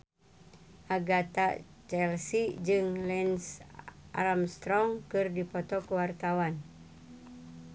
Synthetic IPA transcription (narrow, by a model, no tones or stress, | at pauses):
ʔaɡat̪at͡ʃɛlsid͡ʒɨŋlɛnsʔa̰ɾamst̪ɾɔŋkɨrdipɔt̪ɔkuwart̪awan